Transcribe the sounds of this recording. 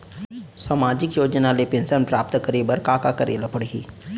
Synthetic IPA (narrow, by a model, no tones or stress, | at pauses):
saːmaːd͡ʒɪkjoːd͡ʒnalepẽnsənpɾaːp̚t̪kəɾiːbəɾkaːkakəɾḛːlapəɽiɦḭː